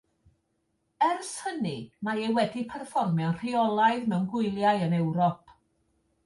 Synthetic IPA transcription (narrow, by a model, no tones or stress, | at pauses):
ɛrshənimaewɛdipʰɛrfɔrmjɔwnr̥iɔlˠaɨðmɛwnɡwʊɨlˠjaɨənɛwɾɔpʰ